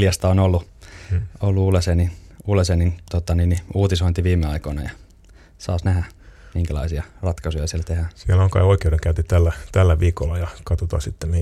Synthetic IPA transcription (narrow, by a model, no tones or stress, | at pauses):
ljɑst̪ɑonolːu | olːuuːleseniulesenint̪ot̪ːɑniːniuːt̪isoint̪iʋiːmːeɑikoinɑ̰jɑ | sɑ̰ːsnæhæmiŋkælɑ̰isiɑrɑt̪kɑsojɑsiælt̪ehæsieloŋkɑioikeuɾeŋkæynt̪it̪ælːæt̪ælːæʋiːkolːɑjɑkɑt̪ot̪ɑ̰ːsit̪ːeni